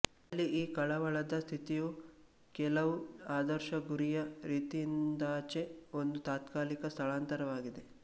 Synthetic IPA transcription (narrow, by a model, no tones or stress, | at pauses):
ɐlːiʔiːkɐɭɐʋɐɭɐd̪ɐst̪ʰit̪iju | kɛlɐʋuaːd̪ɐɾʃɐɡuɾijɐɾiːt̪ijind̪aːt͡ʃe̞o̞nd̪ut̪aːt̪kaːlikɐst̪ʰɐɭaːnt̪ɐɾɐʋaːɡid̪e̞